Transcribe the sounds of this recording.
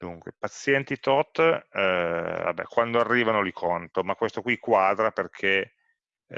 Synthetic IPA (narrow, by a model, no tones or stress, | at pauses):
d̪uŋkwḛpat̪sːjɛnt̪it̪ɔt̪ː | va̰bɛ̰kwand̪oarːiːvanolikʰont̪omakːwest̪okwikːwad̪ɾaperkʰe